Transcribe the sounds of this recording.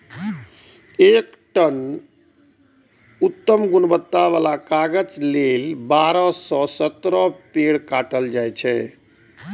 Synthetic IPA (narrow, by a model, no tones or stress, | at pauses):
ek | ʈən | ut̪ːəmɡunbət̪ːaʋalakaɡəd͡ʒlelbaɾɔsɔsət̪ɾɔpeɽkaʈəld͡ʒajt͡ʃʰɛ